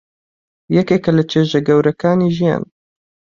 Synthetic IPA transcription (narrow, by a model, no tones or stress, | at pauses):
jɛkekɐlɐt͡ʃʰeːʒɐɡɐwɾɐkʰaːniʒija̰ːn